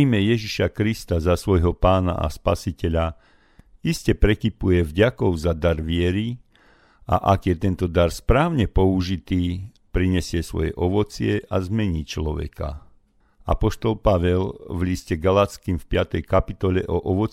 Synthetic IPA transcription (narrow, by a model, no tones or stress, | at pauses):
iːmɛjɛʒiʃakɾist̪azasʋɔjɦɔpaːna̰ʔa̰spa̰sicɛʎa | iscɛpɾɛkipujɛvɟakɔʊzad̪aɾʋɪɛɾi | a̰ʔakjɛt̪ɛnt̪ɔd̪aɾspɾaːʊɲɛpɔuʒit̪iː | pɾiɲɛsɪɛsʋɔ̰jɛ̰ʔɔʋɔt͡sɪɛʔazmɛɲiːt͡ʃlɔʋɛ̰ka̰ | a̰pɔʃt̪ɔlpaʋɛlʋʎiscɛɡalat̪skimfpɪat̪ɛjkapit̪ɔʎɛʔɔʔɔʋɔt͡s